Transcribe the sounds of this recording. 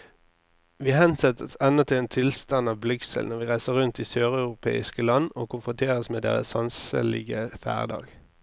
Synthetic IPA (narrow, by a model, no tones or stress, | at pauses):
ʋiːhɛnsɛt̪ʰəsɛnət̪ʰɪleːnt̪ʰɪlst̪ɑnɑːʋblʏksə̰lnɔʁʋiːʁæɪsəʁʁʉnt̪iːsøːʁɑʉʁʊpʰḛːɪskəlɑnːo̰ːkʰʊnfʁʊnt̪ʰeːʁəsmeːd̪ḛːʁə̰sɑnsə̰lɪ̰ɡəfæ̰ːʁd̪ɑ̰ːɡ